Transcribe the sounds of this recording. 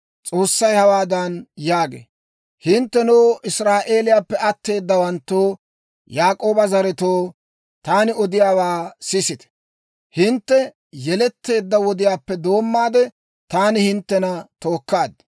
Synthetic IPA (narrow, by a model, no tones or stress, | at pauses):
t͡sʼo̞ːsːɐjhɐwaːd̪ɐnjaːɡḛː | hɪnt̪ːɛnuːʔɪsɾaːʔe̞ːlɪjaːpːɛɐt̪ːe̞ːd̪ːɐwɐnt̪ːoː | jaːkʼo̞ːbɐzɐɾɛt̪oː | t̪aːnɪɔd̪ɪjaːwaːsɪsɪt̪ɛ̥ | hɪnt̪ːɛ | jɛlɛt̪ːe̞ːd̪ːɐwɔd̪ɪjaːpːɛd̪o̞ːmːaːd̪ɛ | t̪aːnɪhɪnt̪ːɛnɐt̪o̞ːkːaːd̪